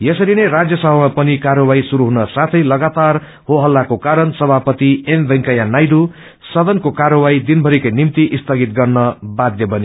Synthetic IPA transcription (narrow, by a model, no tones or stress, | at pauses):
jʌsʌɾinerad͡zjʌsʌbʌmapʌnikaɾʌwaisuɾuɦunʌsat̪ʰʌjlʌɡat̪ar | hoɦʌlːakokaɾʌnsʌbʱapʌt̪iembʱʌŋkajanajɖu | sʌd̪ʌnkokaɾʌwaid̪inbʱʌɾikʌjnimt̪iʔist̪ʌɡit̪̚ɡʌrnʌbad̪jʌbʱʌni